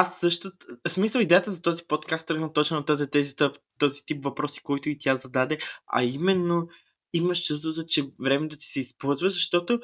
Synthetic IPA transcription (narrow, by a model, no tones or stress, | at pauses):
asːɤʃt̪ʊsmislˠəlˠid̪ɛjət̪əzɐt̪ɔzipot̪kast̪ːɾəɡnət̪ɔt͡ʃnot̪ɔzɛt̪ɛzit̪t̪ɔzit̪ipvɐpɾɔsi̥koit̪ʊit̪ʲjazɐd̪ad̪ɛɐ̰imɛnːo | imɐʃt͡ʃust̪vot̪ot͡ʃɛvɾɛmɛd̪ɐt̪i̥sɛispolˠzvəʒzɐʃt̪ɔt̪o